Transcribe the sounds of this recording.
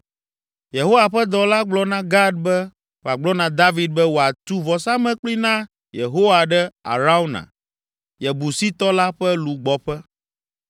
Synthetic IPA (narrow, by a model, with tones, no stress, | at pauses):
je˨ɦo˦wa˨ɸɛ˦d̪ɔ˨la˦ɡ͡blɔ˦nã˦ɡa˦d̪̚bɛ˦ | wo˨a˨ɡ͡blɔ˦nã˨d̪a˦vi˦d̪̚bɛ˦wo˨a˨t̪u˦vɔ˨sa˦mɛ̃˦k͡pli˦nã˦ | je˨ɦo˦wa˨ɖɛ˦a̰˨ɾa˦u˦nã̰˨ | je˨bu˨si˦t̪ɔ˦la˦ɸɛ˦lu˨ɡ͡bɔ˨ɸɛ˦